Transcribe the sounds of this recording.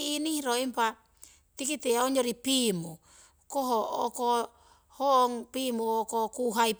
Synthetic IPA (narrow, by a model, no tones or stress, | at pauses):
inihiɾoimpa | tikiteaoɲoɾipimu | koɦooko | hoŋpimookokuɦaip